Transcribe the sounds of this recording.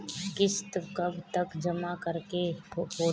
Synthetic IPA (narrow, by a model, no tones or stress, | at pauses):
kɪst̪kɐbʱt̪ɐkd͡ʒɐmakəɾkeoː